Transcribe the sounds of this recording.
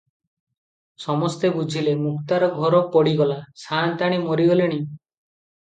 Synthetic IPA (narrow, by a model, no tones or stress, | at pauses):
sɔmɔst̪ebud͡ʒʱilemukt̪aɾɔɡʱɔɾɔpɔɽiɡɔlasant̪aɽ̃imɔɾiɡɔleɽ̃i